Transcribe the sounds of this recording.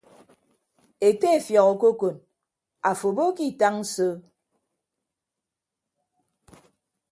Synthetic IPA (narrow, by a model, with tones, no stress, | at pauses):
e˨te˦e˨fjɔ˨ɣo˨ko˦ko˨n | a˨fo˨bo˦ki˦˨ta˦ŋn̩˦so˦